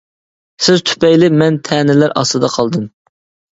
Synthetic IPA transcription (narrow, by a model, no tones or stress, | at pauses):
sɪzt̪ʰy̥pɛjlɪmɛnt̪ʰɛːnɪlæɾʔɑ̰slˠɨd̪ɑqʰɑlˠd̪ɨm